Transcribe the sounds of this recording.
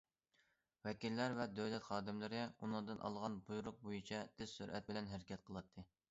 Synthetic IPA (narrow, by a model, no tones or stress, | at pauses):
wɛkʲilːæɾvɛd̪øwlɛt̪χɑːd̪ɪmlɨɾɪunɨŋd̪ɨnʔɑ̰lˠʁɑnbujuɾʊq̚bojit͡ʃʰɛt̪ʰɪz̥syɾʔɛ̰t̪̚bɪlɛnɦæɾɪkʲʰɛt̪̚qʰəlˠɑt̪ʰːɨ